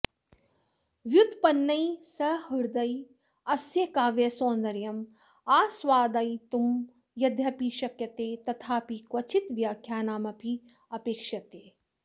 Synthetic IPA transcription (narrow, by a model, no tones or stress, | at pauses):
ʋjut̪pɐnːɐisɐɦiɾd̪ɐi | ɐsjekaːʋeːsoːnd̪ɐɾjɐm | aːswaːd̪ɐit̪um | jɐd̪ʱjɐpiːʃɐkjɐt̪eːt̪ɐt̪ʰaːpikʋɐt͡ʃʰit̪ʋjaːkʰjaːnaːmɐpʰi | ɐpeːkʃɐt̪eː